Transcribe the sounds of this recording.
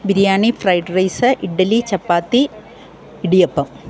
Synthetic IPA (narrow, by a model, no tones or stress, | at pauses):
biɾijaːɳifrɐjɖrɐjsɐʔiɖːɐlit͡ɕɐpːaːt̪ːi | iɽijɐpːɐm